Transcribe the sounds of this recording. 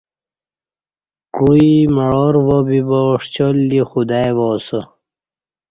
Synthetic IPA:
kuimaɻoɾʋobiboʂt͡ɕolːixud̪ajʋoːsə

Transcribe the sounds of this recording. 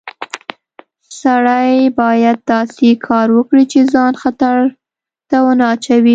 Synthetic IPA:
saɽajbɑjad̪̚ːɑsekʰɑɾwəkɽit͡ʃezɑnxat̪aɾ | t̪awənɑt͡ʃawi

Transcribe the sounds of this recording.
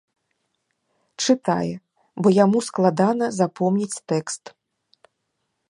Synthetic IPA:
t͡ʂɨt̪a̰jɛ | bɔjamusklˠad̪anɐzapɔmnʲit͡sʲt̪ɛkst̪

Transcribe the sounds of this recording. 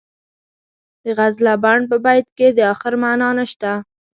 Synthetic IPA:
d̪əɣazlabaɳɖ̚p̬əbajd̪̚ked̪əɑxɪɾmanɑnaʃt̪a

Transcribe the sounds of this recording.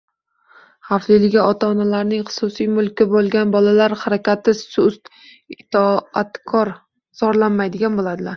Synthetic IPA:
haflɪlɪɡʲaɒt̪ʰaɒnalaɾnɪŋχʊ̥sʊsijmʊlˠkʲːɪbolˠɡʲanbɒlalaɾhaɾakʲat̪ʰɪsʊst̪ | ɪt̪ʰɒat̪kʰɒɾ | z̥ɒɾlanmajd̪ɪɡʲanbolad̪ɪlaɾ

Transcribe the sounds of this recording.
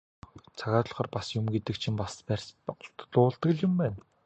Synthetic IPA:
t͡sʰaɣaːt̪ɮɞ̆χɔːrpasjʊmɡet̪ɘ̆k̚t͡ɕʰĭmpaspærʲsɬt̪ɮʊːɮt̪ə̆ɘ̆ɮjʊmpæːn

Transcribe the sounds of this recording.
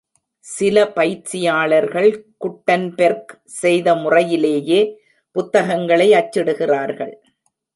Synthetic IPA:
sɪlɐpɐjt͡ʃːɪjaːɭɐɾɣɐɭkʊʈːɐnpɛɾk | sɛjðɐmʊrɐjɪleːjeː | pʊt̪ːɐɣɐŋɡɐɭɐɪɐt͡ʃːɪɽɯɣɪraːɾɣɐɭ

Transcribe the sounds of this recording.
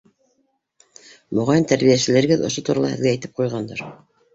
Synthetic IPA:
mŏʁɑjɤnt̪æɾβijæsɘ̆læɾɘ̆ɡɘðŏ̰ʃot̪uɾɑlˠɑ̰hɘ̰̆ðɡæːjt̪ɘp̚qujʁɑnd̪ɑɾ

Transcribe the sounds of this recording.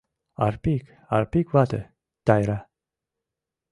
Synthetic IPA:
a̰ɾpik | a̰ɾpikvat̪ḛ | t̪ajɾa

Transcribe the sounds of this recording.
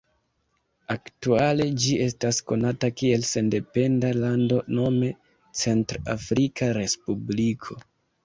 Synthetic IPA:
aktuale̞d͡ʒie̞stasko̞natakie̞lse̞nde̞pe̞ndalando̞no̞me̞ | t͡se̞ntɾa̰fɾikaɾe̞spublikʰo̞

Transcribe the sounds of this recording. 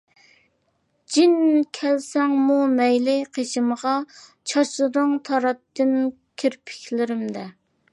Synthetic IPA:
d͡ʒinkʲʰɛlsɛŋmumɛjlɪqʰeʃɪmʁɑ | t͡ʃʰɑʃlˠɨɾɨŋt̪ʰɑɾɑp̚t̪ːɨn | kʲʰiɾpʰɪ̥kʲʰlɪɾɪmd̪ɛ

